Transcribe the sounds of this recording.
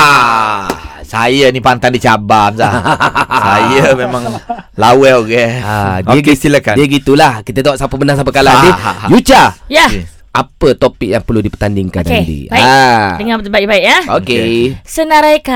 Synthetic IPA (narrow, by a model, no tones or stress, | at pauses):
a | sajanipant̪andit͡ʃabamsa | sajəmemãŋlawɛɡɛadiəɡist̪ilakandiəɡit̪ulahkit̪ət̪aaʔsapəbənas̬ap̬əkaladijut͡ʃaja | ʔapət̪opik̚jaŋpərludipə̥t̪andiŋkanddḭadəŋãt̪əbaiʔbaiʔjaokesənaɾajka